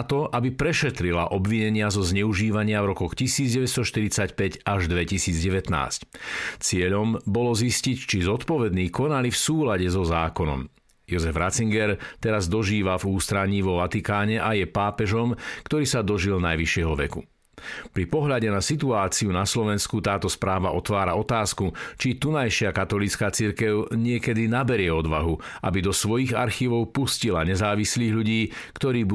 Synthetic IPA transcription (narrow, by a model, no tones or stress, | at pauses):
t̪ɔʔabipɾɛʃɛt̪ɾila̰ʔɔbʋiɲɛɲɪazɔzɲɛuʒiːʋaɲɪavɾɔkɔxcisiːd͡zɟɛʋɛst̪ɔʃt̪iɾit͡sacpɛɟaʒd̪ʋɛcisiːd͡zɟɛʋɛt̪na̰ːsct͡sɪɛʎɔmbɔlɔziscict͡ʃizɔt̪pɔʋɛd̪niːkɔnalifsuːlaɟɛzɔzaːkɔnɔ̰m | jɔzɛvɾat͡siŋɡɛɾt̪ɛɾazd̪ɔʒiːʋavuːst̪ɾaɲiːʋɔʋat̪ikaːɲɛʔajɛpaːpɛʒɔmkt̪ɔɾiːsad̪ɔʒilnajʋiʃɪɛɦɔʋɛkṵ | pɾipɔɦʎaɟɛnasit̪uaːt͡siunaslɔʋɛnskut̪aːt̪ɔspɾaːʋaʔɔt̪ʋaːɾaɔt̪aːskut͡ʃit̪unajʃɪakat̪ɔlit͡skaːt͡siɾkɛʊɲɪɛkɛd̪inabɛɾɪɛɔd̪ʋaɦuʔa̰bid̪ɔsʋɔjiɣa̰ɾxiːʋɔʊpuscilaɲɛzaːʋisliːɣʎuɟiːkt̪ɔɾiːb